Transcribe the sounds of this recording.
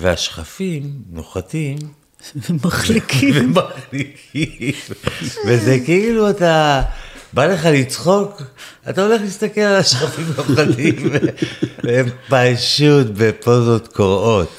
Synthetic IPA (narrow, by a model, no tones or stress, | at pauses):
veaʃχafimnoχatim | vmaχlikivemaχlikʰiimvezekeiluata | bale̞χalit͡sχo̞katao̞le̞χlist̪ake̞lalaʃχafimnoχat̪iimve | empajʃutbepozo̞t̪koʁo̞t